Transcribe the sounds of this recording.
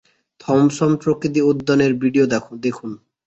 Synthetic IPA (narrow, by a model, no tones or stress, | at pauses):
t̪ʰɔmʃɔmpɾokɾit̪̬iod̪ːɔneɾbʱiɖiod̪ɛd̪ekʰun